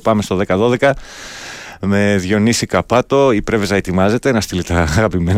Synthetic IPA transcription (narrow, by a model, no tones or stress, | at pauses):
pɐmest̪o̞ðe̞kɐðo̞ðe̞kɐ | me̞ðʝo̞nisikɐpɐt̪o̞ipɾe̞ve̞zɐe̞t̪imɐze̞t̪e̞nɐst̪ilit̪ɐːɣɐpimen